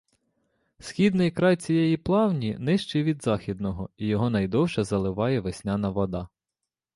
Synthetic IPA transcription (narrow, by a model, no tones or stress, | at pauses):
sxʲid̪nɪjkɾɑjt͡sʲijɛjiplˠɑwnʲinɪʃt͡ʃiʋʲid̪zɑxʲid̪̚nɔɦɔijɔɦɔnɐjd̪ɔwʃɐzɐlˠɪʋɑjɛʋesʲnʲɑnɐʋɔd̪ɑ